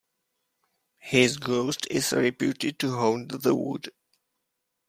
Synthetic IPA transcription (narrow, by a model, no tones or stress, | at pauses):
hɪzɡoʊstʰɪzɹɪpjutɪd̚tuɦõʊ̃ndðəwʊ̰d̥